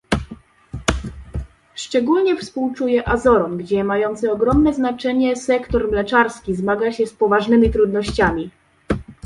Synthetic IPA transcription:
ʂt͡ʂɛɡulɲɛfspuwt͡ʂujɛʔazɔɾɔnɡd͡ʑɛmajɔnt̪sɘɔɡɾɔmnɛznat͡ʂɛɲɛsɛkt̪ɔɾmlɛt͡ʂaɾskʲizmaɡaɕɛspɔvaʐnɘmʲit̪ɾud̪nɔɕt͡ɕamʲi

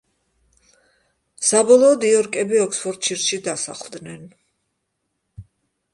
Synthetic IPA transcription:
sabɔlˠɔːd̪iɔɾkʼɛbiɔksfʰɔɾd̪̚t͡ʃʰiɾʃid̪asa̰χlˠd̪nɛn

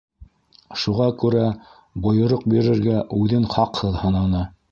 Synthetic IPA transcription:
ʃuʁɑkʉɾæ | bŏjŏɾoq̚biɾɘ̆ɾɡæʔʉðɘnχɑqhɤðhɤ̆nɑnɤ

